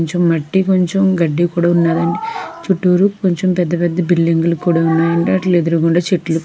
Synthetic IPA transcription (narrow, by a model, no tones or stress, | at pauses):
ɲt͡ʃomːɐʈːiko̞ɲt͡ʃomɡɐɖːikuːɽaːunːaːd̪ɐɳɖit͡ʃuʈːuːɾukoɲt͡ʃompɛd̪ːɐpɛd̪ːɐbilːiŋɡulɐkːuːɽaːunːaːd̪ɐɳɖiɐʈɐled̪uɾukuɳɖaːt͡ʃeʈːlu